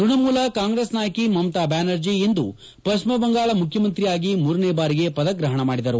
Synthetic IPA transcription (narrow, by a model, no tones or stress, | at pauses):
duɳɐmuːlɐkaːŋɡɾesnaːjɐkimɐmt̪aːbaːnɐɾd͡ʒiːnd̪ṵ | pɐt͡ʃmɐbɐŋɡaːɭɐmukʰjɐmɐnt̪ɾijaːɡimuːɾɐneːbaːɾiɡe̞pɐd̪ɐɡɾɐɦɐɳɐmaːɽid̪ɐɾu